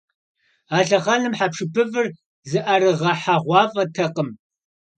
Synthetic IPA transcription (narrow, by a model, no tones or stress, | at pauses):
aːɬɐʁɐnɨmħapʂɨpʰɨvɨr | zɨʔɐrɨʁɐħaʁʷɑːfʼɐtʰɐqʼəm